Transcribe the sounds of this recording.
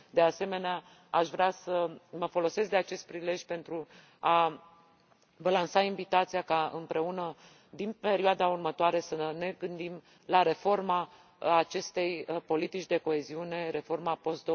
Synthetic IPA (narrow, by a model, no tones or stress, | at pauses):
d̪e̞ase̞me̞nea | aʃvɾeasəməfo̞lo̞se̞skd̪eat͡ʃe̞st̪̚pɾile̞ʒʲpe̞nt̪ɾu | a | vəlansaiɱvit̪at̪sijakaɨ̰mpɾe̞unə | d̪inpe̞ɾioad̪aurmət̪oaɾe̞səne̞ɡɨnd̪im | laɾe̞fo̞rma | at͡ʃe̞st̪e̞jpo̞lit̪it͡ʃʲd̪e̞ko̞e̞ziune̞ɾe̞fo̞rmapo̞st̪d̪o